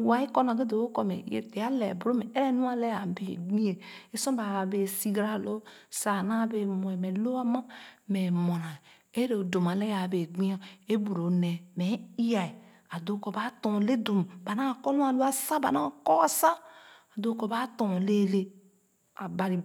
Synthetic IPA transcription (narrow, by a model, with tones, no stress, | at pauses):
wa˨i˦kɔ˦n˨a˨ɡe˦do˨o˦kɔ˨mɛ̰˨jḛ˨te˨a˦lɛ̰˨bɾo˦mɛ˨e˦ɾɛ˦nu˦a˦lɛ˦a˨be˨ɡ͡bi˦e˨e˦sɔ̃˦ba˨be˨si˦ɡɾa˦˨lo˦sa˨na˦be˨mo˨ɛ˨me˨lo˦a˦ma˦mɛ˨mo˨na˨ | e˦ɾe˨do˨m˨a˨lɛ˦ja˨be˨ɡ͡bi˦a˦e˦bu˨ɾo˨ne˨me˨˦i˦ja˨i˨ | a˨do˦ko˨ba˦to˨le˦do˨m˨ba˨na˦˨kɔ˦lu˦a˨lo˦a˦sa˦ba˨na˦˨kɔ˦a˨sa˦a˨do˦ko˨ba˦to˨le˦˨le˦ | a˨ba˨ɾi˨